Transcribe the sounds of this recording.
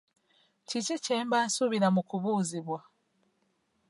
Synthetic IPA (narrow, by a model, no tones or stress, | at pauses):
ciciceːmbansuβiɾamukuβuːziβwa